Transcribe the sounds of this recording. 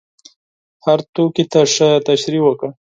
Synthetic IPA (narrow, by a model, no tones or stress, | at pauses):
haɾt̪okit̪aʂət̪aʃɾiwəkə